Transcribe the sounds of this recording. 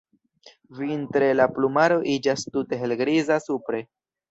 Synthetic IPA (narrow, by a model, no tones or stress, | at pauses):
vintɾe̞laplumaɾo̞ʔid͡ʒastute̞ɦe̞lɡɾizasupɾe̞